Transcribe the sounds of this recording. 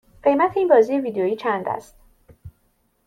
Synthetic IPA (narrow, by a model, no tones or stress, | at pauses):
ɢe̞jmæt̪ʰeiːnbɒːzijeviːd̪ejojiːt͡ʃʰænd̪æ̰st̪